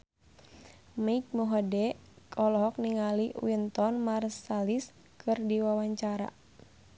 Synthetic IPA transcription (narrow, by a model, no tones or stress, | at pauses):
maik̚muɦɔdɛ | kʰɔlɔɦɔk̚niŋaliwint̪ɔnmarsalis | kʰɨrdiwawaɲt͡ʃaɾa̰